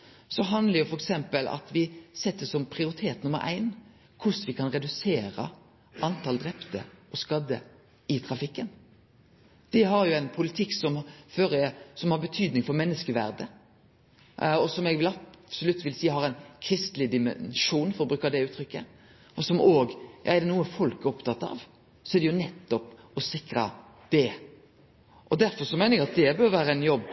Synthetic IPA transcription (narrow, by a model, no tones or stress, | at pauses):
sɔɦɑnd̪ləɾjʊfɔɾɛksɛmpəlɑ̰t̪ʋɪsɛt̪ːəsɔmpʰɾɪʊɾɪt̪ʰeːt̪nʊmːə̰ɾʔæ̰ɪn | kʰʊsʋɪkʰɑnɾɛd̪ʉseːɾə̰ | ʔɑnt̪ʰɑld̪ɾɛpt̪ə̰ɔskɑd̪ːə̰ | ɪt̪ʰɾɑfɪkːən | d̪̥ɛɦɑɾjʊæɪnpʰʊlɪt̪ʰɪkːsɔmføːɾəsɔmhɑɾbət̪ʰyːd̪nɪŋfɔɾmɛnːəskəʋæ̰ɾd̪ə | ɔsɔmɛɡʋɪlɑsɔlʉt̪ːʋɪlsiːhɑɾɛɪnkʰɾɪst̪lɪd̪ɪmɛ̰nʂuːnfɔɾɔbɾʉːkɑd̪ɛʉːt̪ʰɾʏkːə | ɔsɔmoːɡjɑ̰ːɛɾd̪ɛnuːəfɔlkɔpt̪ʰɑt̪ːɑ̰ːʋ | sɔɛæɾd̪ɛjʊnɛt̪ːɔp | ɔsɪkɾɑ̰ | d̪̥ɛ | ʔɔd̪æɾfɔɾsɔmæɪnəɛɡɑt̪̚d̪ɛbøɾʋæːɾəæɪnjɔbː